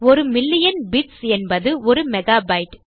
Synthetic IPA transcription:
ɔɾɯmɪlːɪjɐnbɪʈsɛnbɐðɯɔɾɯmɛɣaːbɐɪʈ

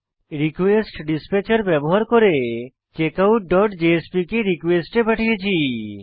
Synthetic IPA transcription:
ɾikʋesʈɖispet͡ʃəɾbɛboɦaɾkɔɾe | t͡ʃekauʈ̚ɖɔʈd͡ʒeespikeɾikʋesʈepɛʈʰijet͡ʃʰi

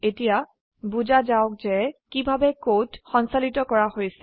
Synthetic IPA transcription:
etija | buzazaʊk̚zɛkibʱabɛkotxɔnsalitɔkɔɹahojsɛ

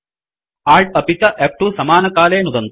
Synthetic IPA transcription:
aːlʈ̚ɐpit͡ʃːɐʔep̚ʈusɐmaːnɐkaːleːnud̪ɐnt̪

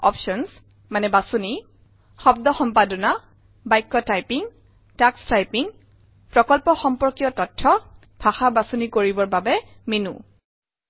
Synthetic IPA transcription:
ɔ̰pʃɔns | manɛbasuni | xɔb̚dɔxɔmpadɔna | bajkːɔtajpiŋ | takstajpiŋ | pɹɔkɔlpɔxɔmpɔɹkijɔtɔtʰːɔ | b̥ʱaxabasunikoɹibɔɹbabɛ | minṵ

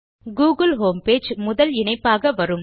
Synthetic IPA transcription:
ɡuːɣɐlɦoːmpeːd͡ʒmʊðɐlɪɳɐɪpːaːɣɐʋɐɾɯm

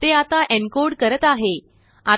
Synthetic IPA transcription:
t̪eat̪aʔɛ̃ɳkoɽkəɾət̪aɦe | a

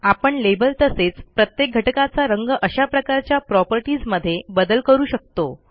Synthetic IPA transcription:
apəɳlebəlt̪əset͡spɾət̪jek̚ɡʱəʈkat͡saɾəŋɡʔəɕapɾəkaɾt͡ɕjapɾɔpəɾʈid͡zməd̪ʱːjebəd̪əlkəɾuːɕək̚t̪o

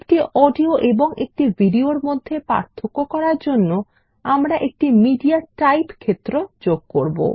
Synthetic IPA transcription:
ekʈiɔɖioʔeboŋʔek̚ʈibʱiɖioɾmod̪ʱːepa̰ɾt̪ʰːokːokɔɾaɾd͡ʑonːo | amɾaʔek̚ʈimiɖiaʈajpkʰet̪ːɾod͡ʑoɡ̚koɾbo̰

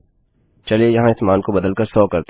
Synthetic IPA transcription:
t͡ʃɐlejɐɦãɪt̪maːnkobɐd̪əlkɐɾsɔːkɐɾt̪

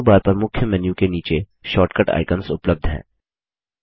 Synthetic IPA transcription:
baːɾpɐɾmʊkʰjəmɛnjũkeniːt͡ʃe | ʃɔːʈkəʈa̰ːɪkənsʊpləb̚d̪ʱɦɛ̰̃ː

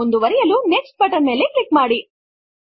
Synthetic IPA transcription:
ond̪uʋɐɾɛjɐluneksʈ̚bɐʈɐnmeːleklikmaːɽi

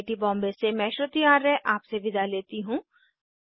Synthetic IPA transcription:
ʈibɔ̃ːmbesemɛ̃ːʃɾot̪iaːɾɛʔaːpseʋɪd̪aleːt̪iɦũː

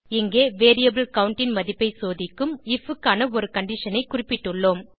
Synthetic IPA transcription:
ɪŋɡeːʋeːɾijɐbɪlkɐʊɳʈɪnmɐðɪpːɐɪsoːðɪkːɯmɪfɯkːaːnɐɔɾɯkɐɳɖɪʂɐnɐɪkʊrɪpːɪʈːɯɭːoːm

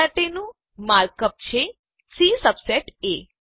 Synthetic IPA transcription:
aʈenũ | maɾkəp̚t͡ʃʰe | sisəpsɛʈe

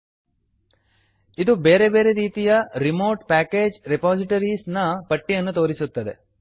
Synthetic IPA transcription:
id̪ubeːɾe̞be̞ːɾeɾiːt̪ijɐɾimo̞ːʈpæːke̞ːd͡ʒɾipaːsiʈɐɾisnɐpɐʈːijɐnːut̪o̞ːɾisut̪ːɐd̪e̞̰

